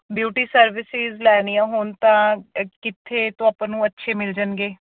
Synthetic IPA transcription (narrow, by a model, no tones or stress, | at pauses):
bjuːʈiːsəɾʋɪsɪzlɛːnijãːɦʊːnt̪ãːkɪt̪ʰːeːt̪õːapãːnũːətːʃʰeːmɪld͡ʒənɡeː